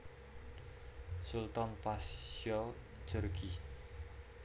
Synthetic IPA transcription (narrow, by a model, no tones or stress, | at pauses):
sult̪ɔnpasɔ | d̥d͡ʒ̥ərɡ̥i